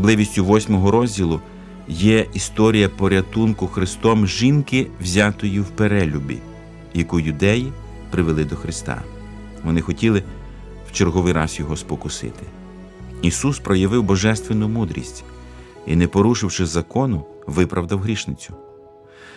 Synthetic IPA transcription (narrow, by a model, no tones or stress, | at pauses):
ɐblˠɪʋʲisʲtʲʊʋɔsʲmɔɦɔɾɔzʲdʲilˠʊ | jɛʔist̪ɔɾʲijɐpɔɾʲɐt̪unkʊxɾɪst̪ɔmʒinkɪwzʲɑt̪ɔjiwpeɾɛlʲubʲḭ | jɐkujʊd̪ɛji | pɾɪʋelˠɪd̪ɔxɾɪst̪ɑ̰ | ʋɔnɪxɔtʲilˠɪ | wt͡ʃerɦɔʋɪjɾɑsjɔɦɔspɔkʊsɪ̰t̪ɪ̥ | isuspɾɔjɐʋɪwbɔʒɛst̪ʋenʊmud̪ɾʲḭsʲtʲ | inɛpɔɾuʃɪwʃɪzɐkɔnʊ | ʋɪpɾʔɐwd̪ɐwɦɾʲiʃnɪt͡sʲʊ̥